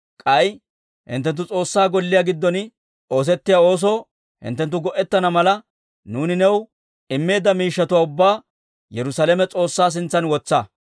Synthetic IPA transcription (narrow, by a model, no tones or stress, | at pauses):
kʼɐj | hɪ̰nt̪ːɛnt̪̬ːʊt͡sʼo̞ːsːaːɡɔlːɪjaɡɪd̪ːɔn | o̞ːs̬ɛt̪ːɪjao̞ːs̬o̞ː | hɪ̰nt̪ːɛnt̪ːʊɡɔʔɛt̪ːɐnɐmɐlɐ | nuːnɪnɛw | ɪmːe̞ːd̪ːɐmiːʃːɐt̪ʊwaːʊbːaː | jɛɾʊsɐlɛmɛt͡sʼo̞ːsːaːs̬ɪnt͡sːɐnwɔt͡sːɐ